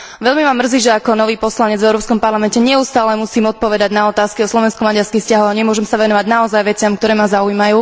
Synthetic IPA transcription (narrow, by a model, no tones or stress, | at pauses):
ʋɛʎmimamr̩ziːʒɛakɔnɔʋiːpɔslaɲɛd͡zvɛʊɾɔːpskɔmpaɾlamɛncɛɲɛust̪aːlɛmusiːmɔt̪̚pɔʋɛd̪aɟnaɔt̪aːskiɔslɔʋɛnskɔmaɟaɾskixscaɦɔwaɲɛmʊɔʒɛmsaʋɛnɔʋaɟnaɔzajʋɛt͡sɪamk̚t̪ɔɾɛːmazaujmajuː